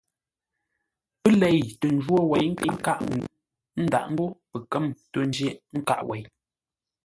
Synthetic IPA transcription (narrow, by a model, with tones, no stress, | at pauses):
pɨ˦lɛ˨jto˨n̩˦d͡ʒwo˦wɛ˨jŋ̩˦ki˦ŋ̩˦ka˦ʔ | n̩˦da̰˨ʔn̩˦bo˦pə˨kə˦˨mto˨n˦d͡ʒe˦ŋ̩˦ka̰˦ʔwʔɛ˨j